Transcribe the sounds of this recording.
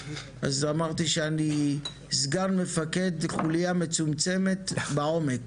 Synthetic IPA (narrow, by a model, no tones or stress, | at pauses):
azamaʁt̪iʃeani | zɡanme̞fake̞d̪χulijame̞t͡sumt͡se̞me̞t̪bao̞mek